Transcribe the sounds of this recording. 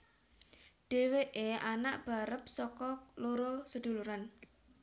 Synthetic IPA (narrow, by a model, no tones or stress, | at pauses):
ɖ̥e̤weʔeanaʔb̥a̤ɾəp̚sɔkɔloɾosəd̪̥ṳluɾan